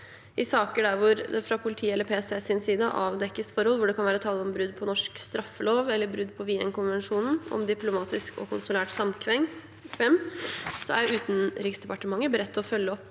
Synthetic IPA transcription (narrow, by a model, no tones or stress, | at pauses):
ʔɪsɑːkəɖæɾʋʊɾd̪ɛfɾɑpʰʊlɪt̪ʰiːɛlːəɾpʰɛːɛst̪eːsɪnsiːd̪əʔɑːʋd̪ɛkːəsfɔɾɔlːʋʊɖɛkɑnʋæːɾət̪ʰɑːlːəɔmbɾʉd̪ːpʰɔnɔʂkst̪ɾɑfːəloːʋɛlːəɾbɾʉd̪ːpʰɔʋiːɛnkʊnʋɛnʂuːnn̩ɔ̰md̪ɪplʊmɑːt̪ɪskʰɔ̰kʰʊnsʊlæːʈsɑmkʰʋɛŋ | kʰʋɛmːsɔæ̰ʉːt̪ən̩ɾɪksd̪ɛpɑʈəmɑŋːəbəɾɛt̪ʰːɔfœlːəɔpː